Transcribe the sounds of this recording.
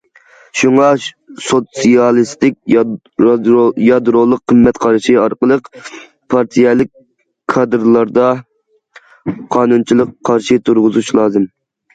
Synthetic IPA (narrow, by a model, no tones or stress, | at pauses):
ʃuŋɑ | sot̪sijɑlˠɨst̪ɪk̚ʲ | jɑd̪ɾolˠːəqʰːəmːɛt̪qʰɑɾʃiɑɾqəlˠəq | pʰɑɾt̪ʰijɛlˠɨk̚ʲʰ | ɑd̪ɨɾlˠɑɾd̪ɑ | qʰɑːnunt͡ʃʰilˠəqʰːɑɾʃit̪ʰuɾʁʊzut͡ʃlˠɑːzɨm